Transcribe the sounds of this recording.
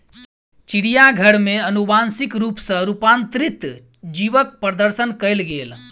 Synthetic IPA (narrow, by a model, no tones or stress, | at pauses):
t͡ʃiɽijaɡʱəɽmeənubansikɾupsə̃ɾupant̪ɾit̪ | d͡ʒiʋək̚pɾəd̪əɾsənkəjlɡel